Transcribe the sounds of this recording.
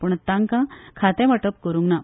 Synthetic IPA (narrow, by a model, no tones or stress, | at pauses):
puɳt̪aŋkãkʰat̪ɛ̃ʋəʈəp̚kəɾuŋɡna